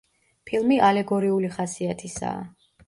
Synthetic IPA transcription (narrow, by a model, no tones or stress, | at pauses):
pʰilˠmiʔalɛɡɔɾiuliχasiat̪ʰisa̰ː